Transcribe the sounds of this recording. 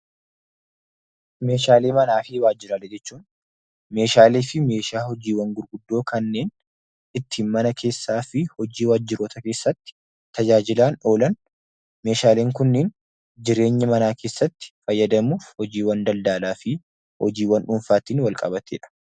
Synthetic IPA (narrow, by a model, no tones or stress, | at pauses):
me̞ːʃaːleːmɐnaːfɪwaːd͡ʒɪɾalɛd͡ʒɛt͡ʃːuːn | me̞ːʃaːleːfɪme̞ːʃaːhɔd͡ʒiːwɐŋɡʊɾɡʊd̪ːo̞ːkɐnːe̞ːn | ɪt̪ʰːiːnmɐnɐkʰe̞ːsːaːfɪhɔd͡ʒiːwaːd͡ʒːɪɾoːt̪ɐke̞ːsːɐt̪ːɪ̥ | t̪ɐd͡ʒaːd͡ʒɪlaːno̞ːlɐn | me̞ːʃaːle̞ːŋkʊnːɪːn | d͡ʒɪɾe̞ːɲːɐmɐnaːkeːsːɐt̪ːɪ̥fɐjːɐd̪ɐmuːfhɔd͡ʒiːwɐnd̪ɐld̪aːlaːfɪ | hɔ̰d͡ʒiːwɐnᶑʊɱfaːt̪iːnwɐlkʼɐbɐt̪ḛːᶑɐ̥